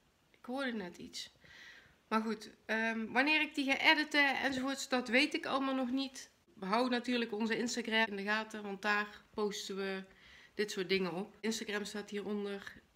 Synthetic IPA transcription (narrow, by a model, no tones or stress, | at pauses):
ʔɪkɦʊːɹdənɛtḭts | maːɹɣutəːʋɑnɪːrɪɡ̚diɣaːʔɛdətəɛ̰nzovoːɹtsdɑtʋejtɪkɑ̰lˠəmaːlˠnɔχnit | ʋəɦawənatyːɹləkɔnzəɪnstaɡrɛɪndəɣaːtəʋɑnt̚daːrpowstənʋəd̥ɪtsʊːɹtdɪŋənɔp̚ɪnstaɡrɛmstaːtɦiːɹɔndər